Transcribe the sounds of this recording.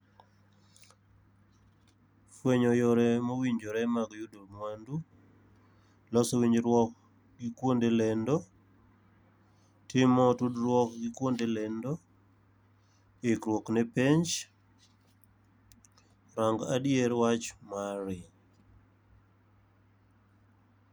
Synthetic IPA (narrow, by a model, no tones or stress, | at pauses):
fweɲɔjoɾɛmowiɲd͡ʒoɾɛmaɡjudomwandu | lɔsɔwiɲd͡ʒɾwɔk̚ | ɡikwondelɛndo | tɪmɔtudɾwɔkɡikwondelɛndo | ekɾwoknɛpeɲt͡ʃ | ɾaŋɡa̰djeɾwat͡ʃmaɾɪ